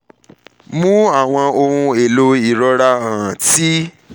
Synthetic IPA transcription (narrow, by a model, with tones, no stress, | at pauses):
mũ˦a˦˨w̃ɔ̃˧o˧ɾũ˧e˨lo˧i˨ɾɔ˧ɾa˧ã˨ã˨ti˦